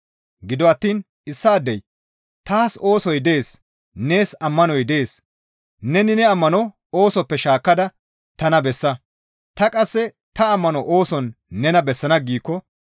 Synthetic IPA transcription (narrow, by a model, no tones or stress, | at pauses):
ɡɪd̪ɔɐt̪ːiːn | ɪsːaːd̪ːɛj | t̪aːso̞ːsɔjd̪eːs | ne̞ːsɐmːɐnɔjd̪eeːs | nɛnɪnɛɐmːɐnɔ | o̞ːsɔpːɛʃaːkːɐd̪ɐ | t̪ɐnɐbɛsːɐ | t̪ɐkʼɐsːɛ | t̪ɐɐmːɐnɔʔoːsɔnːɛnɐbɛsːɐnɐɡiːkːɔ